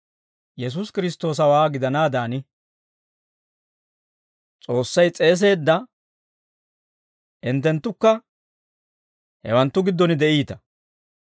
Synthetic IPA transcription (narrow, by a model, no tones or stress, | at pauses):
jɛs̬uːskɪɾɪst̪o̞ːs̬ɐwaːɡɪd̪ɐnaːd̪aːnɪ | t͡sʼo̞ːsːɐjt͡sʼe̞ːs̬e̞ːd̪ːɐ | ɪnt̪ːɛnt̪ːʊkːɐ | hɛ̰wɐnt̪ːʊɡɪd̪ːɔnɪd̪ɛʔiːt̪ɐ̥